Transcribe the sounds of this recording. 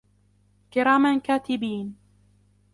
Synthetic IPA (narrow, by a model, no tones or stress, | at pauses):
kɪɾaːmankaːt̪ɪbiːn